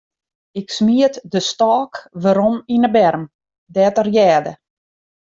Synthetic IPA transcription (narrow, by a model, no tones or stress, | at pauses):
ɪksmiətdəstɔːkʋəɾɔminəbɛrm | dɛtərjɛːdə̰